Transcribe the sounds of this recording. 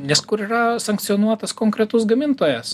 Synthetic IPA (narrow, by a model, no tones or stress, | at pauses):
nʲɛskʊɾiːɾɐsɐŋkt̪sʲionuɔt̪ɐskoːŋkɾʲɛt̪ʊsɡɐmʲɪnt̪oːjɛs